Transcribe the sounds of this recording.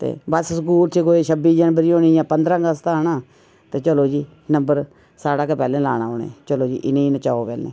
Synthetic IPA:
t̪ḛːbəssəkuːlt̪ʰikoːiːʃʰəbiːd͡ʒənbəɾiːõːniːjãːpənd̪ɾãːɡəst̪aːnaː | t̪eːt͡ʃəloːd͡ʒiː | nəmbəɾ | saːɽãːkepɛːlẽːlaːɽ̃ã̰ːɦoːnḛ̃ːt͡ʃəloːd͡ʒḭːʔɪnẽːiːnət͡ʃaːoːpɛːlḛ̃ː

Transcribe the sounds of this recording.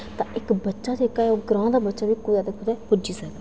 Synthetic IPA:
t̪ãːʔɪkbətːʃaːt͡ʃeːkaːɛoːɡɾãːd̪aːbətːʃaːbiːkoiaːd̪akʰʊt̪ɛːpʊd͡ʒiːsɛːɡa

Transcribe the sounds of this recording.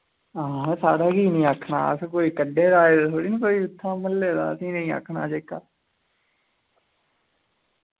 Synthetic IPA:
ãːsaːɽaːkiːnĩːaːkʰna̰ːəskoːiːkəɖeːɾaːeːd̪ːt̪ʰoːɽiːnĩːkoːiːɪt̪ʰːãːməlːeːd̪a̰ːəsĩːnəĩːa̰kʰnaːd͡ʒeːkːaː

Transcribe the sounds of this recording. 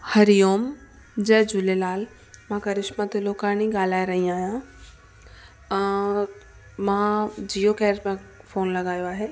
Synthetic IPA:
hɐɾijoːm | d͡ʑɛːd͡ʑʊlelaːl | mãkɐɾɪʃmãt̪eloːkanĩɡaːlaːeɾɐɦĩaːɦijã | mãd͡ʑijokɛːɾmẽfoːnlɐɡaːjoaːɦeː

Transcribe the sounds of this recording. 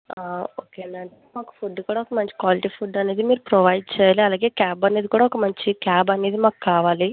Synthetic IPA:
aːoːkeːnd̪ɐɳʈemaːku̥pʰuɖːkuːɽaɔkɐmɐɲt͡ʃi̥kʋaːliʈiːpʰuɖɐne̞ːd̪imiːɾupɾoʋɐjɖ̚t͡ʃɛːjaːliɐlaːɡe̞ːkaːbɐne̞ːd̪ikuːɽaɔkɐmɐɲt͡ʃikaːbɐne̞ːd̪imaːku̥kaːʋaːli

